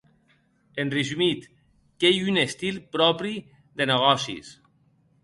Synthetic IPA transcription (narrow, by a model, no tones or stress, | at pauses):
enrizymit̪ | kejynest̪ilˠpɾɔpɾi | ðeneɣ̞ɔsḭs